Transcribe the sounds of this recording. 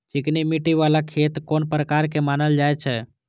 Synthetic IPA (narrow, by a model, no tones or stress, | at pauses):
d͡ʒɪknimiʈiʋaːlakʰeːt̪koːnpɾəkaːɾkemaːnəld͡ʒaːet͡ʃʰɛ